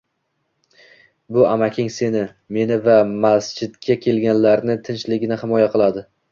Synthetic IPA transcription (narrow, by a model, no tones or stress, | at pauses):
bʊamakʲʰɪŋse̞nɪ | me̞nɪvamast͡ʃɪd̪ɡʲakʲʰe̞lɡʲanlaɾnɪt̪ʰɪnt͡ʃlɪɡʲɪnɪhɪmɒjaqɨlˠad̪ɪ